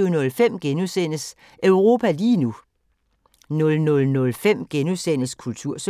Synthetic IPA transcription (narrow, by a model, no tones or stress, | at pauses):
ʊnɔ̽lfem̰ɡ̥enusen̰əs | ʔœʊʁo̝ːpʰæliːnu | nɔ̽lnɔ̽lnɔ̽lfem̰ɡ̥enusen̰əskʰult͡sʰuɐ̰s